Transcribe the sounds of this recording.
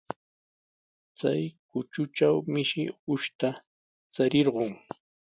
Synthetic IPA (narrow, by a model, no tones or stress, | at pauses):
t͡sa̰jkʊt͡ʃʊt͡ʃawmɪʃɪʊʃt̪a | t͡saɾɪɾɢoŋ